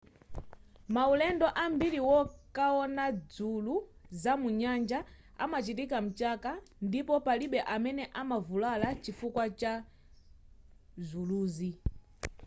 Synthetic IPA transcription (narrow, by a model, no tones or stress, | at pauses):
maulɛndɔʔambiɾiwɔkaɔnad͡zuluzamuɲand͡ʒa | a̰mat͡ʃitikam̩t͡ʃaka | ndipɔpaliɓɛʔamɛnɛʔamavulalat͡ʃifukwat͡ʃa | zuluːzi